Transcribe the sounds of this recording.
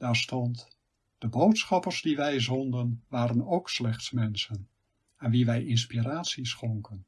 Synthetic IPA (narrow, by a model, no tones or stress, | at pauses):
d̥aːɹstɔnt | d̥əbowtsχɑpərzdiʋɛjzɔndənʋaːɾənowkslɛχtsmɛnsən | ɛnʋiʋɛjʔɪnspiraːtsisχɔŋkən